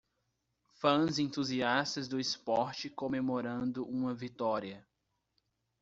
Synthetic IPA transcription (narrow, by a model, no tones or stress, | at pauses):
fɐ̃zẽnt̪uziast̪ɐzd̪ʊɪspɔɾt͡ʃɪkõmemoɾɐ̃nd̪ʊʔũmɐvit̪ɔɾiɐ